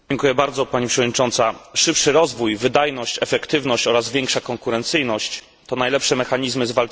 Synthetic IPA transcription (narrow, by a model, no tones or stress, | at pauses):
d͡ʑɛŋkujɛbaɾd̪zɔpaɲipʂɛvɔd̪ɲit͡ʂɔnt̪saʂɘpʂɘɾɔzvujvɘd̪ajnɔɕt͡ɕɛfɛkt̪ɘvnɔɕt͡ɕɔɾazvʲjɛŋkʂakɔŋkuɾɛnt̪sɘjnɔɕt͡ɕ | t̪ɔnajlɛpʂɛmɛxaɲizmɘzval